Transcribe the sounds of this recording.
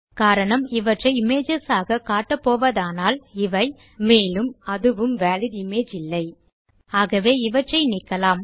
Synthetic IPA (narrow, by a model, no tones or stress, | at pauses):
kaːɾɐɳɐmɪʋɐʈrɐɪɪmeːd͡ʒɐsaːɣɐkaːʈːɐpːoːʋɐðaːnaːlɪʋɐɪ | meːlɯmɐðɯʋɯmʋaːlɪðɪmeːd͡ʒɪlːɐɪ | aːɣɐʋeːɪʋɐʈrɐɪnɪːkːɐlaːm